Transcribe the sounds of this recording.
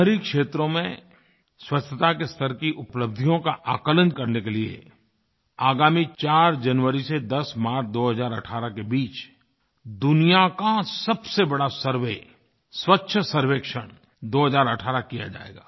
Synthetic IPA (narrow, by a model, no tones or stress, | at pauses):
əɾikʃeːt̪ɾõmẽ | swɐst͡ʃʰət̪akest̪ʰəɾkiʔʊpləb̚d̪ʱijõkaʔaːkələnkɐɾnekeliḛ | aːɡaːmit͡ʃaːɾd͡ʒɐnʋəɾised̪ɐsmaːɾd̪oːɦəzaːɾɐ̰ʈʰaːɾakebiːt͡ʃ | d̪ʊnijakasɐbsebɐɽasɐɾʋeː | swətːʃʰəsɐɾʋeːkʃəɽ̃ | d̪oːɦəzaːɾəʈʰaːɾakija̰d͡ʒa̰ːḛːɡaː